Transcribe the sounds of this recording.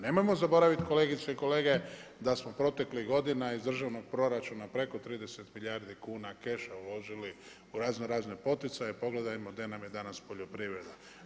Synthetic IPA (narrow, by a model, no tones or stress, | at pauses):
ne̞mo̞jmo̞zabo̞ɾaʋit̪ko̞le̞ːɡit̪seiko̞le̞ːɡe̞d̪asmo̞pɾo̞t̪e̞kliɣɡo̞d̪inaizd̪r̩ʒaʋno̞ɡ̚pɾo̞ɾat͡ʃunapɾe̞ko̞t̪ɾiːd̪e̞set̪miʎaːɾd̪ikuːnake̞ʃaulo̞ʒili | uɾaːznoɾaːznepo̞t̪it̪sajepo̞ɡle̞d̪ajmod̪anamjed̪anaspo̞ʎo̞pɾiʋɾe̞d̪a